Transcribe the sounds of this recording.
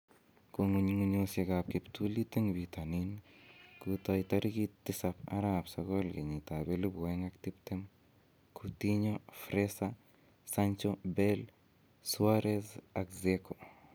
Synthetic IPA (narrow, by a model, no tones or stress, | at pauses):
koŋuɲiŋuɲoseɡap̚kiptulit̪eŋbitaninkutɔjtaɾɡit̪ːɪsapa̰ɾabsaɡolɡeɲitabelubweŋaktiptem | kʰutiɲofɾesa | saɲt͡ʃobɛl | swaɾezakzeko